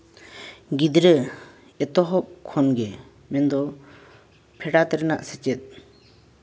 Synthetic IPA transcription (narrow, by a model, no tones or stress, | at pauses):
ɡid̪ɾə | ɛt̪ɔɦɔp̚kʰɔnɡɛ | mɛnd̪ɔ | pʰɛɖat̪ɛɾɛna̰ʔsɛt͡ʃɛt̪̚